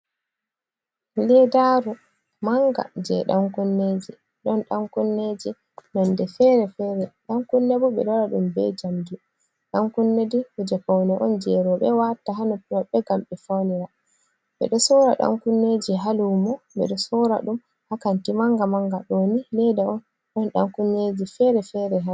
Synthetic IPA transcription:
lɛdaɾu | maŋɡa̰d͡ʒɛɗaŋkunːed͡ʒi | ɗɔnɗaŋkunːed͡ʒi | nɔndɛfɛɾɛfɛɾɛɗaŋkunːebuɓɛ̰ɗɔɾaɗumbɛ̰d͡ʒamdi | ɗaŋkunːedihud͡ʒɛfawnɛʔɔnd͡ʒɛɾɔɓɛwataɦanɔpɔɓɛɡamɓɛfawniɾa | ɓɛ̰ɗɔsɔɾaɗa̰ŋkunːed͡ʒiɦalumɔɓɛ̰ɗɔsɔɾa̰ɗum | hakantimaŋɡamaŋɡaɗonilɛdaɔn | ɗɔnɗa̰ŋkunːed͡ʒifɛɾɛfɛɾɛɦa

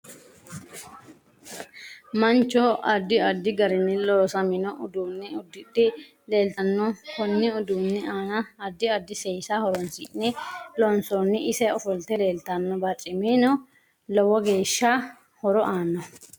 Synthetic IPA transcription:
mɐnt͡ʃːɔɐd̪ːɪɐd̪ːɪɡɐɾɪnːɪloːsɐmɪnɔʔʊd̪uːnːɪʊd̪ːɪt̪ːɪ | le̞ːlt̪ɐnːɔkɔnːɪɔd̪uːnːɪaːnɐɐd̪ːɪɐd̪ːɪsɛjsahɔɾɔnsɪ̰ʔnɛlɔnsɔnːɪʔɪsɛɔfɔlt̪ɛle̞ːlt̪ɐnːɔbɐt͡ʃʼɪmeːnɔ | lɔwɔɡe̞ːʃːa | hɔɾɔʔaːnːɔ

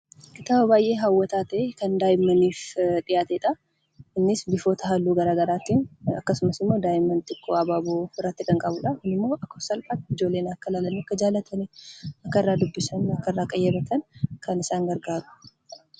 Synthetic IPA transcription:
kɪt̪aːbɐbaːjʔe̞ːɦawːɐt̪aːt̪ɛkɐnd̪aːjɪmːɐniːfᶑ̪ʼɪjaːt̪ɛᶑɐ | ɪnːɪsbɪfo̞ːt̪ɐɦɐlːuːɡɐɾaːɡɐɾaːt̪iːnɐ̰kːɐsʊmɐsɪmːo̞ːd̪aːjɪmːɐnt̪ɪkʼːoɐbaːboːɪrːɐt̪ːɪkɐŋkʼɐbʊᶑɐhɪnːɪmːo̞ːʔɐkːɐsɐlħat̪ɪd͡ʒo̞ːlːe̞ːnɐkːɐlaːlɐniɐkːɐd͡ʒaːlɐt̪ʰɐnɛɐkːɐɪrːaːd̪ʊbːɪsɐnɐkːɐɪrːaːkʼɐjːɐbɐt̪ʰɐnkɐnɪsaːŋɡɐɾɡaːɾʊ̥

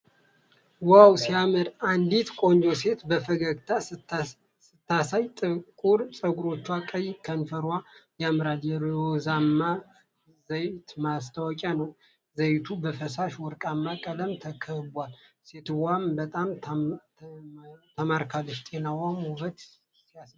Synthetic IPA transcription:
wawsiamɨɾand̪it̪kʼo̞nd͡ʒose̞t̪bəfəɡəɡt̪ʰa | sɨt̪ːasajt̪ʼɨkʼuɾsʼəɡuɾo̞t͡ʃːwakʼəjkʰənfəɾwajamɨɾaljɛɾozamːa | zəjt̪mast̪ʰawɔkʼanəw | zəjt̪ʰubəfəsaʃwɔɾkʼamːakʼələmt̪ʰəkʰəhbal | se̞t̪wambət̪ʼam | t̪ʰəmaɾkʰalːɨʃt̪ʼe̞nawamhuβət̪ | sijas

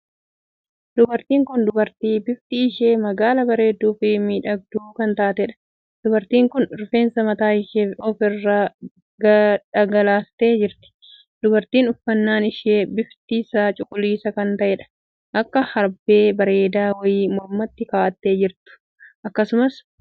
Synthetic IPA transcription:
d̪ʊbɐɾt̪iːŋkʊnd̪ʊbɐɾt̪iːbɪft̪iːɪʃeːmɐɡaːlɐbɐɾe̞ːd̪ːuːfɪmiːᶑɐɡ̚d̪uːkɐnt̪aːt̪ɛᶑɐ̥ | d̪̥ʊbɐɾt̪iːŋkʊnɾʊfe̞ːnsɐmɐt̪aːɪʃeɔfɪrːaː | ɡɐᶑɐɡɐlaːst̪e̞ːd͡ʒɪɾt̪ɪ̥ | d̪ʊbɐɾt̪iːnʊfːɐnːaːnɪʃeːbɪft̪iːsaːt͡ʃʼʊkʼʊliːsɐkɐnt̪ɐʔɛːᶑɐ̥ | ʔɐkːɐhɐɾbe̞ːbɐɾe̞ːd̪aːwɐjiːmɔɾmːɐt̪ːɪkaːʔɐt̪ːe̞ːd͡ʒɪɾt̪ʊ̥ | ʔɐkːɐsʊmɐs

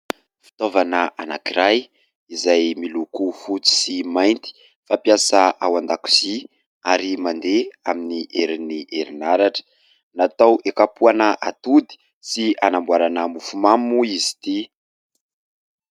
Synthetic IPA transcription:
fi̥t̪ovanəanakiɾaj | izajmilukufut͡si̥simajnt̪i̥ | fapjasaʔawand̪aku̥si | aɾimand̪eaminiʔeɾiniʔeɾinaɾaʈ͡ʂə̥ | nat̪awʔekapuanəʔat̪ud̪i̥ | sianambwaɾanəmufumamuizi̥t̪i

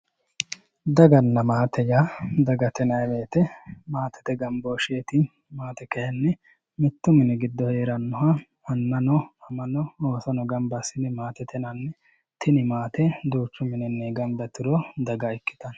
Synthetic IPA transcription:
d̪ɐɡɐnːɐmaːt̪ɛjaːd̪ɐɡɐt̪ɛnɐjbeːt̪ɛmaːt̪ɛ̥t̪ɛɡɐmboːʃeːt̪ɪ | maːt̪ɛkɐjɐnːɛ | mɪt̪ːʊmɪnɛɡɪd̪ːɔheːɾɐnːɔɦɐ | ɐnːɐnɔɐmɐnɔoːsɔnɔɡɐmbɐsɪnɪmaːt̪ɛt̪ʰɛnɐnːɛ | t̪ʰɪnɪmaːt̪ɛd̪uːt͡ʃːʊmɪnɛnːɛɡɐmbɐt̪ɪɾod̪ɐɡɐɛkːɪ̥t̪ɐn

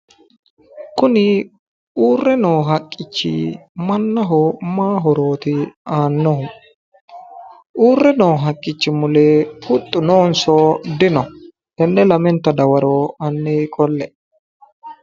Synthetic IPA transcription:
kʊnɪ | uːrːɛnoːɦɐkʼːɪt͡ʃːɪ̰mɐnːɐɦomaːɦɔɾoːt̪ɪaːnːɔhʊ | ʔuːrːɛnoːɦɐkʼːɪt͡ʃːɪmʊleːhʊt̪ʼːʊnoːnsoːd̪ɪnɔ | ɛnːɛlɐmɛnt̪ɐd̪ɐwɐɾoːɐnːeːkʼɔlːɛ

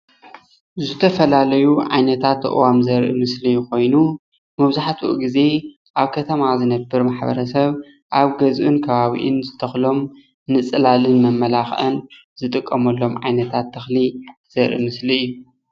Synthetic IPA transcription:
zɨt̪ʰɐfɐlalɐjuʕa̰jnɐt̪ʰat̪ːʔwamzɐɾʔḭmɨslijko̞jnu | mɐβzaħat̪wṵʔɡize̞ | ʔaβkʰɐt̪ʰɐmazɨnɐbːɨɾmaħbɐ̰ɾɐsɐβ | ʔaβɡɐzʔɨnkʰɐβaβḭʔɨnzɨt̪ʰɐxlo̞m | nɨt͡sʼɨlalɨnmɐmːɐlaxʔɐ̰n | z̥ɨt̪ʼɨkʼːɐmɐlːo̞mʕa̰jnɐt̪ʰat̪ʰːɐxliz̥ɐɾʔḭmɨsliɨjːu

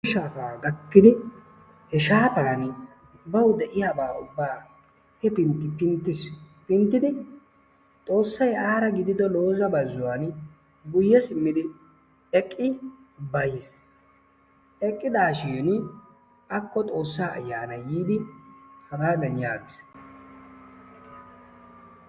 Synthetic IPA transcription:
ʃaːfaːɡɐkːɪd̪ɪ | hɛʃaːfaːn | bɐwd̪ɛʔɪjaːbaːʊbːaː | hɛpɪnt̪ːɪpɪnt̪ːɪspɪnt̪ːɪd̪ɪ | t̪ʼo̞ːsːɐjaːɾɐɡɪd̪ɪd̪ɔlo̞ːzɐbɐzːʊwan | ɡʊjːɛsɪmːɪd̪ɪ | ɛkʼːɪ | bɐjɪs | ʔɛkʼːɪd̪aːʃiːn | ɐkːɔt̪ʼo̞ːsːaːʔɐ̰jːaːnɐjiːd̪ɪhɐbaːd̪ɐnjaːɡɪs

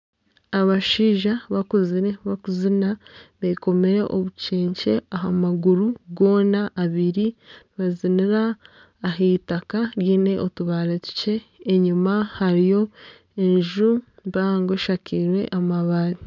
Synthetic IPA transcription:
aβaʃiːʒaβakuziɾeβakuzinaβeko̞meɾe̞̰ʔo̰βuceːɲce̞aɦamaɡuɾuɡo̞ːnaʔːβiɾi | βaziniɾaː | ɦetakaɾjiːne̞ʔotuβaːɾetu̥ce̞ːɲumahaɾijo̞ | e̞ɲʒumbaːŋɡoʃakiɾwe̞̰ʔamaβaɾi

